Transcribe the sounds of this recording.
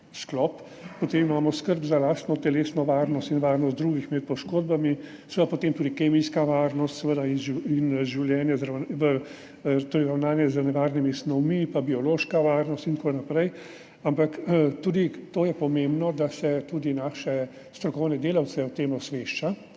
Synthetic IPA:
sklɔp | pːɔt̪eːmimaːmɔskəɾbzalaːst̪nɔt̪ɛleːsnɔʋaːɾnɔst̪inʋaːɾnɔst̪d̪ɾuːɡixmɛt̪̚pɔʃkoːd̪̚bami | sɛʋəd̪apot̪eːmt̪uːd̪ikeːmiskaʋaːɾnɔst̪sɛʋəd̪ainʒiinʒiwljɛːnjɛzɾanʋə | t̪oːɾɛɪɾawnaːnjɛzənɛʋaːɾnimisnɔwmipabiɔloːʃkaʋaːɾnɔst̪int̪konapɾɛj | ampakt̪uːd̪it̪oːjɛpɔmẽmbnɔd̪asɛt̪uːd̪inaːʃɛ | st̪ɾɔkɔwnɛd̪eːlawt̪sɛɔt̪eːmɔsʋeʃt͡ʃa

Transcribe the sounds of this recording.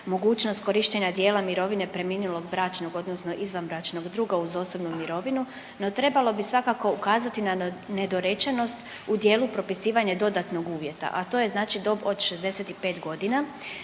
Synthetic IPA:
mo̞ɡuːt͡ʃno̞st̪̚ko̞ɾiʃt̪eɲad̪je̞ːlˠamiɾo̞ʋine̞pɾe̞miːnulo̞ɡbɾat͡ʃnoɡo̞d̪nosno̞ʔizʋanbɾat͡ʃno̞ɡd̪ɾuːɡauzo̞so̞bnumiɾo̞ʋinu | no̞t̪ɾe̞balˠo̞bisʋakako̞ukaːzat̪inane̞d̪o̞ɾet͡ʃeno̞st̪ | ud̪je̞ːlˠupɾo̞pisiːʋaɲed̪o̞d̪at̪noɡuːʋje̞t̪a̰ʔat̪o̞ːje̞znaːt͡ʃid̪o̞bod̪ʃezd̪e̞set̪ipe̞ːt̪ɡo̞d̪ina

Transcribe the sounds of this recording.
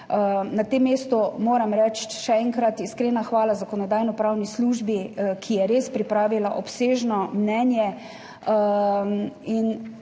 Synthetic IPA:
nat̪emːeːst̪ɔmoːɾamɾɛt͡ʃʃɛɛŋkɾat̪iskɾenaxʋaːlazakɔnɔd̪aːjnɔpɾaːwnisluːʒbikʰijɛɾeːspɾipɾaːʋilaʔɔpseːʒnɔmnɛnjɛ | in

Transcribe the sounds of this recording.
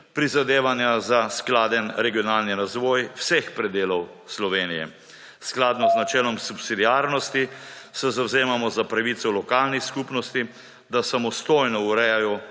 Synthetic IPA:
pɾizad̪eːʋanjazasklaːd̪ɛnɾɛɡijɔnaːlniɾazʋɔːjwsɛxpɾɛd̪eːlɔw | slɔʋeːnijɛ̰ | sklaːd̪nɔznat͡ʃɛːlɔmsupsid̪iaːɾnɔst̪isɛzawzeːmamɔzapɾaʋiːt̪sɔlɔkaːlnixskupnɔst̪i | d̪asamɔst̪oːjnɔuɾɛjajɔ

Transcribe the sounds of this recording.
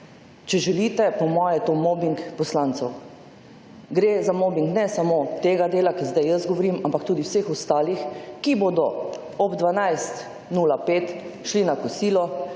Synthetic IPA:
t͡ʃɛʒɛliːt̪ɛpɔmɔːjɛt̪oːmɔbiŋkpɔslant̪sɛw | ɡɾeːzamɔːbiŋknɛsamoːt̪eːɡad̪eːlakizd̪ajəsɡɔʋɔɾiːmampakt̪uːd̪iwsexɔst̪aːlixkiboːd̪ɔ | ɔbd̪ʋanajst̪ | nuːlapeːt̪ʃlinakɔsiːlɔ

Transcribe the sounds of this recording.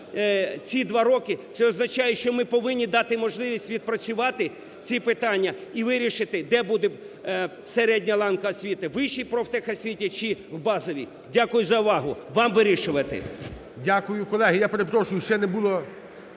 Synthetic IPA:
t͡sʲid̪ʋɑɾɔkɪt̪sɛɔznɐt͡ʃɑjɛʃt͡ʃɔmɪpɔʋɪnʲːid̪ɑt̪ɪmɔʒlˠɪʋʲisʲtʲʋʲid̪̚pɾɐt͡sʲʊʋɑt̪ɪ | t͡sʲipɪt̪ɑnʲːɐiʋɪɾʲiʃɪt̪ɪd̪ɛbud̪ɛ | seɾɛdʲnʲɐlˠɑnkɐɔsʲʋʲit̪ɪʋɪʃijpɾɔwt̪ɛxɐsʲʋʲitʲit͡ʃɪwbɑzɔʋʲḭ | dʲakʊjʊzɐʊʋɑɦʊ̰ʋɑmʋɪɾʲiʃʊʋɐt̪ɪ̰ | dʲakʊjʊkɔlˠɛɦɪjapeɾepɾɔʃʊjʊʃt͡ʃɛnɛbulˠɔ

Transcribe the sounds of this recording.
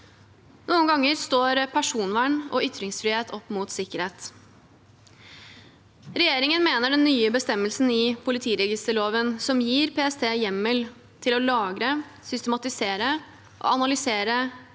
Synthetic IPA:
nuːənɡɑŋːəɾst̪oːɾpʰæʂuːnʋæɳɔ̰ʏt̪ɾɪŋsfɾɪheːt̪ʰɔpːmuːt̪sɪkːəɾheːt̪ | ɾɛjeːɾɪŋənmeːnəɖɛnːyːəbəst̪ɛmːəlsn̩ɪpʰʊlɪt̪ʰiːɾɛɡɪst̪əɭoːʋənsɔmjiːɾpʰeːɛst̪ʰeːjɛmːəl | t̪ʰɪlɔlɑːɡɾəsʏst̪əmɑt̪ɪseːɾə | ʔɔ̰ɑnɑlʏseːɾə

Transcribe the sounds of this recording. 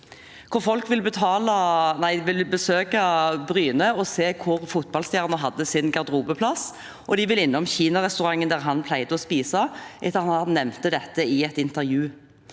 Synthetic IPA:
kʰʊʁfɔlkʋɪlbət̪ʰɑːlənæɪʋɪlbəsøːkɑbɾyːnəɔseːkʰʊʁfʊt̪̚bɑlst̪jæːʁɑnəɦɑd̪ːəsɪnɡɑʁd̪ʁuːbəpʰlɑs | ʔɔd̪ɪʋɪlɪnːɔmçiːnɑʁɛst̪ʉɾɑŋːənd̪æːʁɦɑnpʰlæɪd̪əɔspiːsɑʔɛt̪ːəɑnɑnːɛmnt̪əd̪ɛt̪ːəɪɛt̪ɪnt̪əɾjʉː

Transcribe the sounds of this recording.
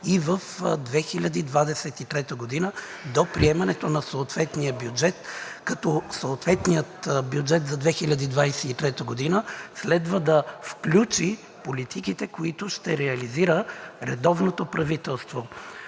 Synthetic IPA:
ivəfd̪vɛxilʲɐd̪id̪vad̪ɛsɛt̪it̪ɾɛt̪əɡod̪inəd̪opɾiɛmɐnɛt̪onɐsoːt̪vɛt̪nijəbjud͡ʒɛt̪kɐt̪ɔsoːt̪vɛt̪nijət̪bjud͡ʒɛt̪zɐd̪vɛxilʲɐd̪id̪vajsɛit̪ɾɛt̪əɡod̪inəslɛd̪vəd̪ɐfklʲut͡ʃi | polit̪ʰikit̪ɛkoit̪ʊʃt̪ɛɾɛɐliziɾəɾɛd̪ɔvnot̪opɾɐvit̪ɛlˠst̪vo

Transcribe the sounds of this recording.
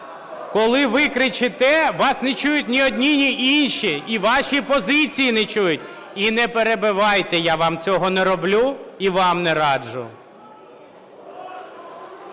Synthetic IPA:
kɔlˠɪʋɪkɾɪt͡ʃɪt̪ɛʋɑsnɛt͡ʃujʊt̚ʲnʲiɔdʲnʲinʲiʔinʃiiʋɑʃʲipɔzɪt͡sʲijinɛt͡ʃujʊtʲinɛpeɾebɪʋɑjt̪ɛjaʋɑmt͡sʲɔɦɔnɛɾɔblʲuiʋɑmnɛɾɑd͡ʒʊ̰

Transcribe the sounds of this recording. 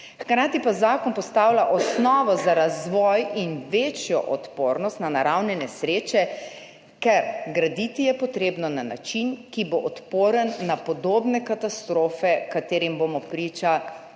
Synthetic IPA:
xkɾaːt̪ipazaːkɔnpɔst̪aːwlaʔɔsnɔːʋɔzaɾazʋɔjinʋeːt͡ʃjɔ̰ʔɔt̪poːɾnɔst̪nanaɾawnɛnɛsɾeːt͡ʃɛ | kɛɾɡɾad̪it̪ijɛpɔt̪ɾeːbnɔnana̰t͡ʃinkiboʔɔt̪poːɾənːapɔd̪oːbnɛkat̪ast̪ɾoːfɛkat̪eːɾimbomɔpɾiːt͡ʃa

